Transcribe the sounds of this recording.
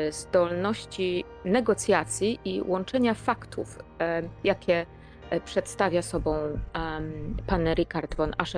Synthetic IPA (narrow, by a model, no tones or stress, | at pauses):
zd̪ɔlnɔɕt͡ɕi | nɛɡɔt̪sʲjat̪sʲjiʔiwʔɔnt͡ʂɛɲafakt̪ʰṵfjakʲɛ | pʂɛt̪st̪avʲjasɔbɔ̃w̃ | panɾʲikaɾd̪vɔnʔaʂɛ